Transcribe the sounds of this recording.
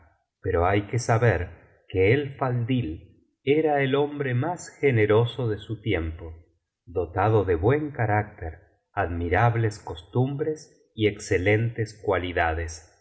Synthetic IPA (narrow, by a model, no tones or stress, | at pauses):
peɾoajkesaβeɾ | keːlfald̪il | eɾaelo̞mbɾemasxeneɾosoðesut̪jempo | ðo̞t̪aðoðeβwe̞ŋkaɾak̚t̪eɾ | aðmiɾaβlesko̞st̪umbɾes | iekselent̪eskwaliðaðes